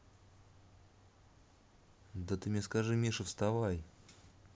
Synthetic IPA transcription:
d̪ət̪ɨmʲɲʲeskaʐɨmʲiʂɨfst̪avaj

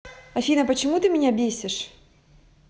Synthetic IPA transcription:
ɐfʲinɐpət͡ɕɪmut̪ɨmʲɪnʲabʲesʲɪʂ

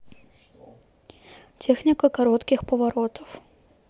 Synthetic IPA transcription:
t͡sʲɛxnʲikɐkaɾɔt̪kʲixpɐvaɾɔt̪ʰɐf

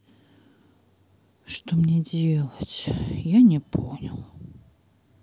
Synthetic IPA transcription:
ʂt̪omnʲedʲelˠət͡sʲjanʲɪpʰonʲɪlˠ

